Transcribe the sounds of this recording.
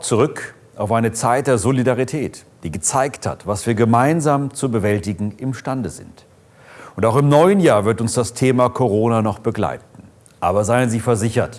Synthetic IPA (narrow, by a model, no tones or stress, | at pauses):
t͡suʁʏk | ʔaʊfʔaɪnət͡saɪt̚d̥eːɐzolidaʁitʰɛːtd̥iːɡət͡saɪktha̰tv̥asv̥iːɐɡəmaɪnzaːmt͡subəvɛltɪɡŋ̩ʔɪmʃtandəzɪ̰nt | ʊntaʊxɪmnɔʏənjaːɐvɪɐtʊnsd̥astʰeːmakʰoʁ̞oːnanɔχb̥əɡla̰ɪt̚n̩ | ʔaːbɐzaɪənziːfɛɐzɪçɐt